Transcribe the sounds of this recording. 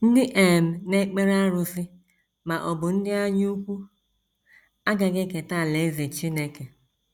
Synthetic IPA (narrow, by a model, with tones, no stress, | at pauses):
n̩˦dɪ˦ʔe˨m̩˨ne˦k͡pe˦ɾa˦ɾʊ˨sɪ˦ | ma˨ʔɔ˨bʊ˨n̩˦dɪ˦a˦ɲu˦u˦kʷu˦ | a˦ɡa˨ɡe˦ke˨ta˦˨le˨˦ze˨t͡ʃi˦ne˨ke˨